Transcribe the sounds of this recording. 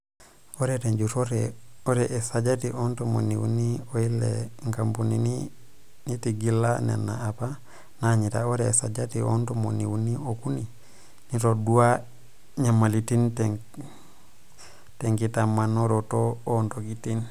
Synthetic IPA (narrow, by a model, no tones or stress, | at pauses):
oɾeteɲd͡ʒutoɾeoɾɛʔesad͡ʒatiʔontomo̰niwṵnioilḛŋkambunini | nitiɡilːanḛnːa̰apa | naɲita̰oɾɛːsad͡ʒatio̰ntomoniwuniokuni | nitodua | ɲamalitint | teŋkitamanoɾotoontoɡitin